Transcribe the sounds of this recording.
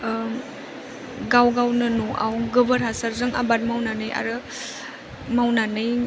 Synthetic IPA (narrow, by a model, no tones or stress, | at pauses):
ɡawɡawnɯnoʔa̰wɡɯbəɾɦasaɾzɯŋa̰bat̚mawnanɯjʔa̰ɾɯ | mawnanɯj